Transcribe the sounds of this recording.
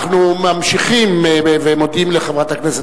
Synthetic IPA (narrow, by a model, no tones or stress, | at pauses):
χnumamʃiχimevemotd̪imleχevʁat̪aknɛse